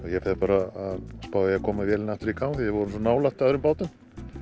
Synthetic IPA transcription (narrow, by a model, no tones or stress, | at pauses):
ɔjɛfɛðpaːɾaaðspaːwajɛakʰɔːmavjɛːlnaht̪ʏɾikʰawmθijɛvɔɾʏmsɔnaːwlaht̪aðɾʏmpaːwt̪ʏm